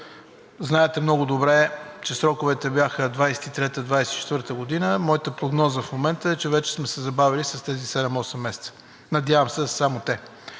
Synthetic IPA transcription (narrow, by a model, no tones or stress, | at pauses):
znaɛt̪ɛmnɔɡʊd̪obɾɛt͡ʃɛsɾɔkʊvɛt̪ɛbjaxəd̪vajsɛ̥t̪it̪ɾɛt̪əd̪vajsɛt̪it͡ʃɛt̪vɤɾt̪əɡod̪inəmɔjit̪əpɾoɡnɔzəfmomɛnt̪əɛt͡ʃɛvɛt͡ʃɛ̥smɛsɛzɐbavilisɐst̪ɛzisɛd̪ɛmɔsɛmːɛsɛ̥t̪sə̥ | nɐd̪ʲjavɐmsɛsamot̪ɛ